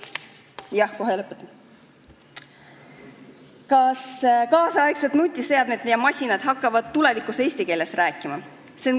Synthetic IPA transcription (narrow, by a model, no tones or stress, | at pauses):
jɑhkoɦelɤpːˑet̪ː | kɑskɑːsɑɑekset̪nut̪ʲːise̞ɑd̪̥med̪jɑmɑsʲinɑd̪̥ɦɑkːɑvɑd̪tːule̞vikuse̞ːsʲt̪ike̞ːlːe̞sræːkːˑimɑ | se̞on